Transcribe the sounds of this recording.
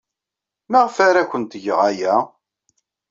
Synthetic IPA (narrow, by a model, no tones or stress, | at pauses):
mæʁfæɾækʷənt̪ʝəʁæjæ